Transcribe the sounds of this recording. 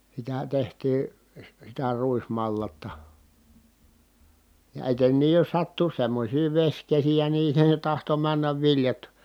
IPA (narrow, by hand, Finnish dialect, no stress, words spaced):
sitæ tehtiː si sitæ ruismɑlːɑtːɑ jɑ etenːiːj jos sɑtːu semːosʲiː ʋesʲkesijæ niː se tɑhto mænːæʋ ʋiljɑt